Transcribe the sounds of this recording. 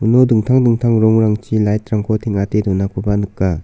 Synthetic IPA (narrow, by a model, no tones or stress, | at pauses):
unoduŋtʰaŋduŋtʰaŋɾɔŋɾaŋt͡ʃilajt̚ɾaŋkʰotʰeŋatedɔnak̚pʰabanɯkːa